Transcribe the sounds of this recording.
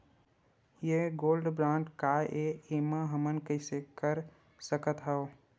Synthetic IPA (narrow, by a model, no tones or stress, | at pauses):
jeɡoːlɖbɾãːɳʈkaʔeemãɦəmənkəɪsekəɾ | səkət̪ɦao